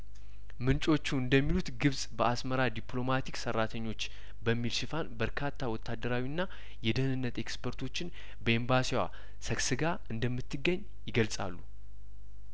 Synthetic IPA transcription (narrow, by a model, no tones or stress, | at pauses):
mɨnt͡ʃʼo̞t͡ʃːuɨnd̪əmːilut̪ɡɨβsʼbəasməɾad̪iplo̞mat̪ʰiksərːat̪ʰəɲːo̞t͡ʃː | bəmːilʃɪfanbəɾkʰat̪ʰːawɔt̪ʰːad̪ːəɾawinːa | jɛd̪əhnɨnːət̪e̞kspʰəɾt̪ʰo̞t͡ʃːɪn | bəembasiwa̰ | səksɨɡa | ɨnd̪əmːɨt̪ːɨɡːəɲː | jɪɡəlsʼa̰lːu